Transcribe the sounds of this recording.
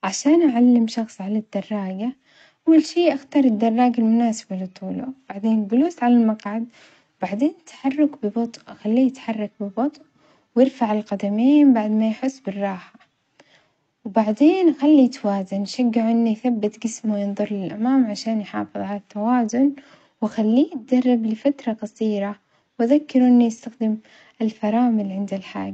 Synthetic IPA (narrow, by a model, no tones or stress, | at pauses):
ʕaʃaːnʔaʕalːɪmʃɑxsˤʕalad̪̥ːɑrˤːɑːɡa | ʔawːalʃiːʔaxt̪ɑːɾˤɪd̪ːɑrˤːɑːɡalmʊnaːsɪ̥balɪt̪ˤuːlub̥aʕd̪eːnɡʊluːsʕalalmaqʕad̪̚ | wb̥aʕd̪eːnt̪ːḁħɑrˤːʊkbɪbɑt̪ˤʔʔxalːiːjɪt̪ħɑrˤːɑk̚bɪbɑt̪ˤʔ | wjɪɾfaʕɪlqad̪amiːnbaʕd̪majħʊsːbɪrˤːɑːħa | wbaʕd̪eːnʔxalːit̪awaːzanʃaɡːaʕʔɪnːijθabːɪt̪ɡɪsmujɪnðˤʊɾˤlɪlʔamaːmʕaʃaːnjħɑ̰ːfɨðˤʕalat̪ːawaːzʊn | waxalːiːʔt̪̚d̪ɑrˤːɑblɪfat̪ɾˤɑqɑsˤiːɾa | wʔaðakːɪɾuʔɪnːujɪst̪axd̪ɪm | ʔɪlfɑɾˤɑːmɪlʕɪnd̪alħa̰ːɡ